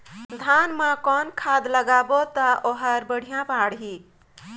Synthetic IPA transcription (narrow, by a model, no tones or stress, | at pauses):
d̪ʱanmãkɔnkʰad̪ləɡabot̪ʌʔoɦəɾbəɽ̤ʱijãpaɽɦi